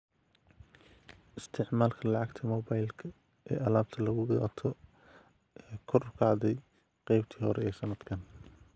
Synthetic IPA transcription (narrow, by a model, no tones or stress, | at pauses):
ʔɪst̪ʰɪʕmaːlkʰɐlɑʕɑɡt̪ʰɐmɔːbajlkʰɐ | ɛ̰ːʔɐlaːb̚t̪ʰɐlɐɣʊɣt̪ʰɔ | ʔɛːkʰɔrɐkʰɑʕðɛj | qɛjbt̪ʰiːhɔɾɛɛːsɐnɐd̪̥kʰɐn